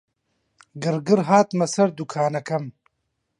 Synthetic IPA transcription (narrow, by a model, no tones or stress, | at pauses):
ɡɨɾɡɨɾɦaːt̪mɐsɐɾd̪ukʰaːnɐkʰɐm